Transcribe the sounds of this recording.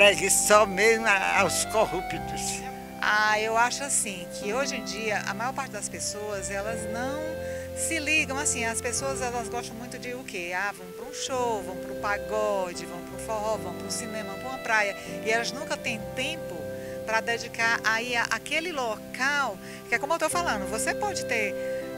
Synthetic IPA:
pɛɡɪsɔmezmaa̰wskohupit̪ʊs | aewaʃʊasĩkʰɪoʒẽd͡ʒiɐʔɐ̰majɔɾpaɾt͡ʃɪd̪ɐspesoɐzɛlɐznɐ̃w̃ | sɪliɡɐ̃w̃asĩɐspesoɐzɛlɐzɡɔʃt̪ɐ̃w̃mũj̃t̪ʊd͡ʒɪʊkeavɐ̃w̃pɾũʃowvɐ̃w̃pɾʊpaɡɔd͡ʒɪvɐ̃w̃pɾʊfɔɦɔvɐ̃w̃pɾũsĩnẽmɐɐ̃w̃pɾũɐpɾajɐ | ɪɛlɐznũkɐt̪ẽj̃t̪ẽpʊ | pɾɐd̪ed͡ʒikaɾʔaiaʔakelɪlokaw | kɪɛkomewt̪owfalɐ̃nd̪ʊvosepɔd͡ʒɪt̪eɾ

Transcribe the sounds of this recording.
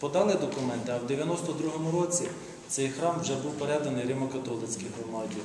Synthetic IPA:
pɔd̪ɑlˠɪd̪ɔkʊmɛnt̪ɪɐwd̪eʋʲjɐnɔst̪ɔd̪ɾuɦɔmʊɾɔt͡sʲi | t̪sɛjxɾɑmwʒɛbuwpeɾɛd̪ɐnɪjɾɪmɔkɐt̪ɔlˠɪt͡sʲkɪjɦɔmɑdʲi

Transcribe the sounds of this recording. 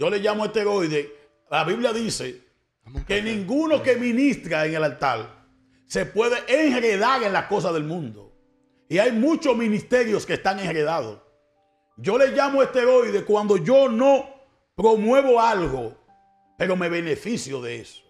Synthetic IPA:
d͡ʒo̞le̞ʝamoest̪eɾo̞jðe | laβiβljaðise̞ | kenĩŋɡuno̞ke̞mĩnist̪ɾaeŋe̞lalt̪al | se̞pwe̞ðeʔeŋhɾe̞ðaɾe̞nlasko̞s̬aðe̞lmũnd̪o | iajmũt͡ʃo̞smĩnist̪e̞ɾjoskest̪aŋeŋhɾe̞ðaðos | ɟ͡ʝo̞le̞ʝamoest̪eɾo̞jðekwand̪o̞ʝo̞no | pɾo̞mwe̞βo̞alɣo | pe̞ɾo̞me̞β̞e̞ne̞fisjo̞ðe̞ḛso̥

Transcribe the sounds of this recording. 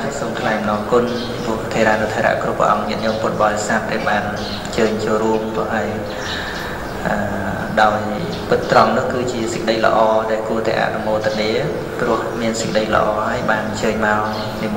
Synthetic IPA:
asoːmkʰlaɛjmənɑːkʊn | pipʊ̆əht̪ʰeːɾaːnɨwt̪ʰeːɾa̰ʔkrupːrə̰̆ʔɑ̰ŋniəʔɲŏəmpʊt̪̚ɓɑsap̚ɗaːlɓaːn | t͡ɕəːɲt͡ɕoːlruəmkoʔaəj | ʔəː | ɗaɔj | pɨt̪ːrɑŋnʊ̆əhkɨːt͡ɕiəsə̥k̚ɗəjlə̰̆ʔɑːɗaɛlkuət̪a̰ɛʔa̰ʔnumoːlt̪aniə | prʊ̆əhmiənsə̥kəɗəjlə̰̆ʔɑːhaəjɓaːnt͡ɕəːɲmaɔ | nim

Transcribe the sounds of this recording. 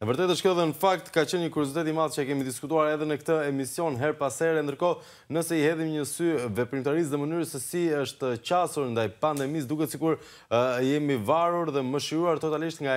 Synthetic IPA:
ɛvəɾt̪ɛt̪əʃkɔðɛnəfak̚t̪kat͡ɕənɲəkuɾjɔzit̪ɛt̪imalt͡ɕəɛkɛmid̪iskut̪uaɾɛðɛnəkt̪əɛmisjɔnɦɛɾpasɛɾɛnd̪əɾkɔ | nəsɛihɛðimɲəsyvɛpɾimt̪aɾis̬ðɛmənyɾəsɛsiəʃt̪t͡ɕasuɾnd̪ajpand̪ɛmis̬d̪ukɛsikuɾ | jɛmivaɾuɾðɛməʃiɾuaɾt̪ɔt̪aliʃt̪ŋɡa

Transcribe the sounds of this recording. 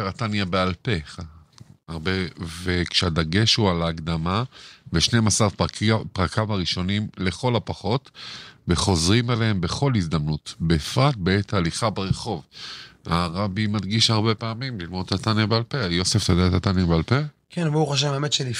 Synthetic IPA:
eʁat̪anjabealpe | aʁbevekʃead̪aɡe̞ʃualaːɡd̪amaveʃnejmasaʁpʁakʰamaʁiʃo̞nimle̞χo̞lapaχo̞tveχo̞zʁimalehembe̞χo̞lhizd̪amnutbeːfʁat̪̚beetaliχabeʁeχo̞vaʁabimad̪ɡiʃhaʁbe̞peamimlilmo̞d̪at̪anjabealpejo̞seftjod̪aet̪at̪anjabealpekʰenbouχoʃ̬eveemetʃeli

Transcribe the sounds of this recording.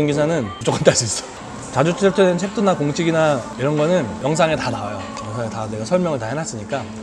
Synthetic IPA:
oŋɡisʰanɯnput͡ɕ͈ok͈ʰant͈aɕ͈ʰis͈ʌ̥ | t͡ɕad͡ʑut͡ɕʰit͈ʰenɯnt͡ɕʰe̞k̚t͈unakoŋt͡ɕʰiɡinaiɾʌnɡʌnɯnjʌŋs̬ʰaŋe̞tanawajo | jʌŋsʰaŋetaneɡasʰʌɭmjʌŋɯɭtaɦenas͈ɯɲik͈a

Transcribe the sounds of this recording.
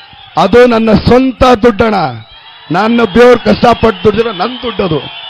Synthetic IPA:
ɐd̪unɐnːɐsɐnt̪ɐd̪uɖːɐɳɐ | nɐnːɐbjoːɾkɐʂʈapɐʈ̚ːd̪uɽd͡ʒɐɾɐnɐnd̪uɖːɐd̪u

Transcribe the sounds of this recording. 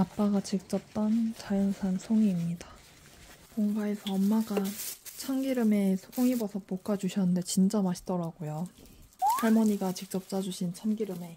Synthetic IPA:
ap͈aɡat͡ɕik̚t͡ɕ͈ʌp̚t͈ʌnt͡ɕajʌnsʰansʰoŋiːmɲida | moŋɡae̞sʰʌʌmːaɡat͡ɕʰaŋɡiɾɯme̞sʰoŋibʌsʰʌpok͈ad͡ʑuɕʰʌnɯnde̞t͡ɕint͡ɕ͈amaɕʰi̥dʌɾaɡojo | pʰaɭmʌɲiɡat͡ɕik̚t͡ɕ͈ʌp̚t͡ɕ͈ad͡ʑuɕʰint͡ɕʰanɡiɾɯme̞

